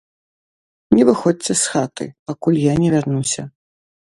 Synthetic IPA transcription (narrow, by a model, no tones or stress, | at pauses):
nʲɛvɨxɔt͡sʲɛsxat̪ɨ̰pakulʲjanʲɛvʲarnusʲɐ